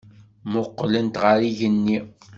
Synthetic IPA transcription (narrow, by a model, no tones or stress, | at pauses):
mʊqːlənt̪ʁəɾiʝənːi